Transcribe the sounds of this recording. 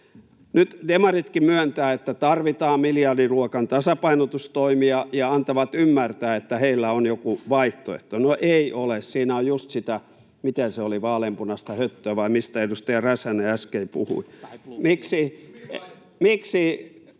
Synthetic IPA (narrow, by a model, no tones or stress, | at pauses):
nyt̪demɑrit̪kimyænt̪æːet̪ːæt̪ɑrʋit̪ɑːmmiljɑrdiruokɑnt̪ɑsɑpɑinot̪ust̪oimiɑjɑɑnt̪ɑʋɑt̪ymːært̪æːet̪ːæheilːæonjokuʋɑiht̪o̰ḛt̪ːonoʔeiʔolessiːnæojjust̪sit̪æ | mit̪enseoliʋɑːlempunɑst̪æhøt̪ːøːʋɑimist̪æedust̪ejɑræsæneæskeipṵhṵimiksi | miksi